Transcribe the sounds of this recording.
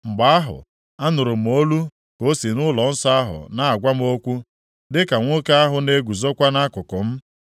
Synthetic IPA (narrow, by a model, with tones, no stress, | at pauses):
ŋ͡m̩˨ɡ͡ba˦a˦ɦʊ̰˨ | a˦nʊ˨ɾʊ˨m̩˨o˦lu˦ | ko˦si˨nʊ˦lɔ˨n̩˦sa˦a˦ɦʊ̰˨na˦a˨ɡʷa˦m˦o˦kʷu˦ | dɪ˦ka˨ŋʷʊ˦ka˦a˦ɦʊ˨ne˦ɡʷu˨zo˦kʷa˦na˦kʊ˨kʊ˨m̩˦